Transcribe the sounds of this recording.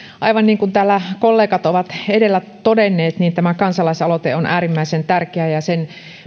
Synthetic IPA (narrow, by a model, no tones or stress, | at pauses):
ʔɑiʋɑnniːŋkunt̪æːlːækolːeːkɑt̪oʋɑt̪edelːæt̪odenːeːt̪niːnt̪æmækɑnsɑlɑisɑlot̪eonʔæːɾimːæisent̪ærkeæjɑsen